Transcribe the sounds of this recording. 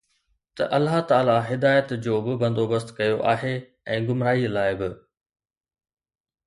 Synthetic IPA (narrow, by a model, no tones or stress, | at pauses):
t̪ɐ̰ʔɐlːaɦt̪aːlaɦɪd̪aːjət̪d͡ʑoːbɪbɐ̃nd̪oːbəst̪kɐjoʔaːɦe | ɛ̃ːɡʊmɾaːilaːɪbɪ